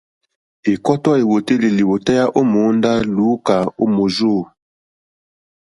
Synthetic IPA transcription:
e˨kɔ˦tɔ˦e˨wo˨te˦li˨li˨wo˨tɛ˦ja˦ʔo˦mo˨˦nda˦lu˨˦ka˨o˦mo˨zo˦˨

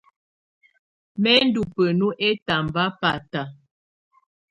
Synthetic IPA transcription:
mɛ˦n˦du˨pə˨nu˦ʔɛ˦ta˨m˨ba˦pa˨ta˨

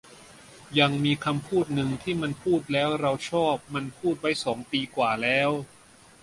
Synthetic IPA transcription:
ja˧ŋmiː˧kʰa˧mpʰuː˥˩t̪̚nɯ˧ŋt̪ʰiː˥˩ma˧npʰuː˥˩t̪̚lɛː˦˥wɾa˧wt͡ɕʰɔː˥˩p̚ma˧npʰuː˥˩t̪̚wa˦˥jsɔː˩˦ŋt̪iː˧kwaː˨˩lɛː˦˥w

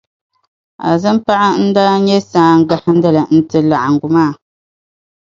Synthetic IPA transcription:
a̰˨zɨ˦m˦pa˦ʔa˦n̩˦daː˦ɲɛ˦saː˦ŋ˦ɡa˨˦ha˦n̩˦da˦lɨ˨n̩˦tɨ˦la˨ʔa˨ŋ˨ɡu˨maː˦˨

